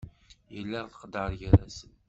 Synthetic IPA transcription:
jəlːæʁθə̥qəd̪əɾˤʝəɾæsən

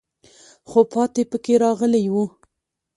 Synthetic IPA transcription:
xopɑt̪epəkeɾɑɣəlajwu

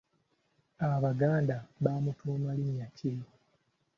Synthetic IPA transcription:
aβaɡaːndaβaːmutuːmalimjace

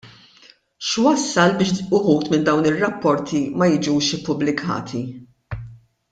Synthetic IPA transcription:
ʃwɐsːɐlbɪːʃʊħuːt̪mɪnd̪ɐwnɪrːɐpːɔɾt̪ʰimɐjɪd͡ʒuːʃɪpːʊblɪkʰɐ̰ːt̪ʰi

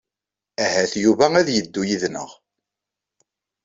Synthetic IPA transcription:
æɦæθjuvææðjəd̪ːujiðnə̰ʁ

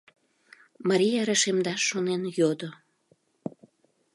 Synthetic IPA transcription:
mɑɾʲijaɾəʃemd̪ɑʃːonenjod̪o

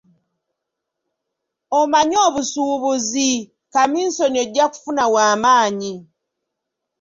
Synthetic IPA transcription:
omaɲo̞ːβusuːβuzi | kamiːnsonieɟːaku̥funawaːmaːɲi

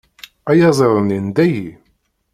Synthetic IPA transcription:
æjɑzˤəɾˤənind̪æji

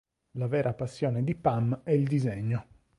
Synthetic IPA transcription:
lavɛːɾʔapasːjɔːned̪ipamɛild̪izeɲːo

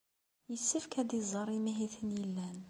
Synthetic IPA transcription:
jəsːəfkæd̪izˤːɑɾˤimiɦiθənjəlːæn

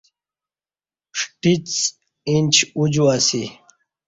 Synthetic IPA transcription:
ʂʈit͡s | int͡ɕʰud͡ʑuasi

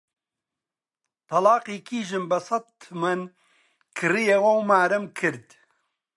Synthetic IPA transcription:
t̪ʰɐlɑːqiːkʰiːʒɨmbɐsɐt̪mɐn | kʰɨrijewɐwmaːɾɨmkʰɨɾd̪

